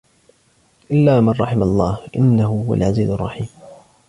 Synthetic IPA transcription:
ʔɪlːaːmanˤːɑħɪmalˤːɑːhʔɪnːahʊhʊwa̰lʕaziːzʊrˤːɑħiːm

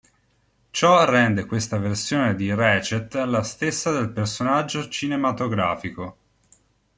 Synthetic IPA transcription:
t͡ʃɔrːɛnd̪ekwest̪aversjoːned̪irɛt͡ʃet̪alːast̪esːad̪elpersonad͡ʒːot͡ʃinemat̪oɡɾa̰ːfiko

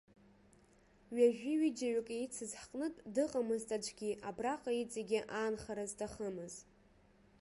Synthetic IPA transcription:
ɥaʒᶣiɥid͡ʒaɥakʼejt͡sʰɨzħqʼnɨtʼdɨqʼamɨztʼad͡ʒʷʼɡʲiʔabraqʼait͡sʼeɡʲɪʔaːnχaɾaztʰaχəmɨz

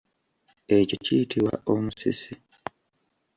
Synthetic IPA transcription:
e̞co̞cijitʰiwa̰ʔomusḭsi

